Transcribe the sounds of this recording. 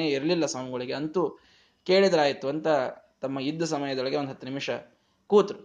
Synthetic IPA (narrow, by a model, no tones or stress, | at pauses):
eiɾlilːɐsaːmuɡoɭiɡeɐnt̪u | ke̞ːɭid̪ɐɾaːjit̪ːuɐnt̪ɐt̪ɐmːɐid̪ʱːɐsɐmɐjɐd̪oɭɐɡeond̪ɦɐt̪ːunimʂɐ | kuːt̪ɾu